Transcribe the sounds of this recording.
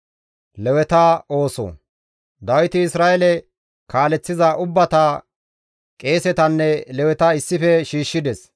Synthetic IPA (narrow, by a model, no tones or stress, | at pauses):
lɛwɛt̪ɐo̞ːsɔ̰ | d̪ɐwɪt̪ɪɪsɾaːʔɛlɛ | kaːlɛt͡sːɪzɐʔʊbːɐt̪a | kʼe̞ːsɛt̪ɐnːɛlɛwɛt̪ɐɪsːɪfɛʃiːʃːɪd̪ɛs